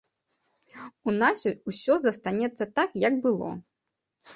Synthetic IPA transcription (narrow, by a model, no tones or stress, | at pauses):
unasʲuusʲɔzɐst̪anʲɛt̪sːɐt̪akjɐɡbɨlˠɔ̰